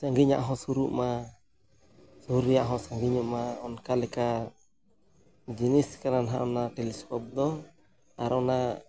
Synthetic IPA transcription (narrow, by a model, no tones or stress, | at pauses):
saŋɡiɲa̰ʔɦɔ̃suɾuʔma | suuɾijaʔɦɔ̃saŋɡiɲuʔmaɔnkalɛka | d͡ʒiniskaɾanɦa̰ʔɔnaʈɛlɛskɔp̚d̪ɔ | a̰ɾɔna